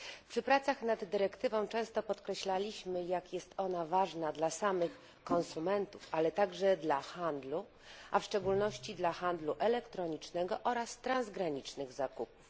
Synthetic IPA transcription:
pʂɘpɾat̪saxnad̪ːɘɾɛkt̪ɘvɔ̃w̃t͡ʂɛ̃w̃st̪ɔpɔt̪kɾɛɕlalʲiɕmɘjakjɛst̪ɔnavaʐnad̪lasamɘx | kɔ̃nsumɛnt̪ufalɛt̪aɡʐɛd̪laxand̪lu | ʔafʂt͡ʂɛɡulnɔɕt͡ɕid̪laxand̪luʔɛlɛkt̪ɾɔɲit͡ʂnɛɡɔʔɔɾast̪ɾanzɡɾaɲit͡ʂnɘɣzakup̚u̥f

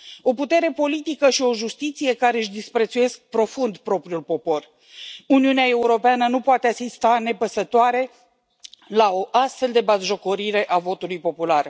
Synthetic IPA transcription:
o̞put̪e̞ɾe̞po̞lit̪ikəʃio̞ʒust̪it̪sije̞kaɾeɨʃd̪ispɾe̞t̪suje̞sk̚pɾo̞fund̪pɾo̞pɾiulpo̞po̞r | uniuneae̞uɾo̞peanənupoat̪easist̪ane̞pəsət̪oaɾe̞ | laoʔast̪fe̞ld̪e̞bazʒo̞ko̞ɾiɾe̞ʔavo̞t̪ulujpo̞pular

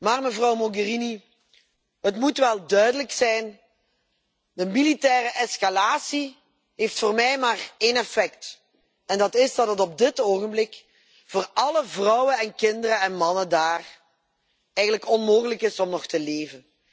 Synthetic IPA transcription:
maːrməvrɑwmoɡərini | ɦətmutʋɛlˠdœɥdələksɛjn | dəmilitɛːrəʔɛskalaːsi | ɦeftfoːrmɛjmaːreːnɛfɛkt | ɛndɑtɪzdɑtɦətɔb̚dɪtoːɣənblɪk | v̥oːrɑləvrɑwənɛnkɪndərəɛnmɑnəndaːr | ɛjɣənləkɔnmoːɣələkɪsɔmnɔxtəleːvən

